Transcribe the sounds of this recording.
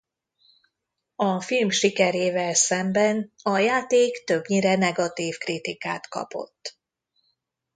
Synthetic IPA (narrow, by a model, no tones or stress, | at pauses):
ɒfilmʃikɛɾeːvɛlsɛmbɛnɒjaːt̪eːkt̪øbɲiɾɛnɛɡɒt̪iːfkrit̪ika̰ːt̪kɒ̰po̞̰t̪ː